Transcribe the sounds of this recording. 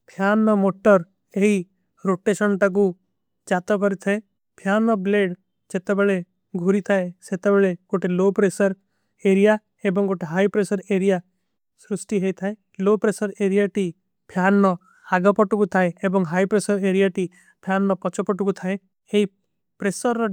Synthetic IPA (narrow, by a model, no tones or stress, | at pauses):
pʰjanːɔmoʈɔɾ | eɦi | ɾoʈeʃɔnʈak̬u | d͡ʒat̪ɔkɔɾit̪ʰae | pʰjanɔbleɖ | d͡ʒet̪ebeɭe | ɡʱuɾit̪ʰaeset̪ebeɭekoʈʰelopɾesɔɾ | eɾija | ebɔŋkoʈʰeɦajpɾesɔɾeɾija | sɾusʈiɦejt̪ʰae | lopɾesɔɾeɾijaʈi | pʰjanːɔ | aɡɔpɔʈukut̪ʰaeebɔŋɦajpɾesɔɾeɾijaʈi | pʰjanːɔpɔt͡ʃɔpɔʈukut̪ʰae | eɦi | pɾesɔɾːɔ